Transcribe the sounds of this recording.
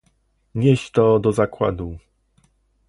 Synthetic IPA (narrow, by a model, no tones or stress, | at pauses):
ɲeɕt̪ɔd̪ɔzakwa̰d̪u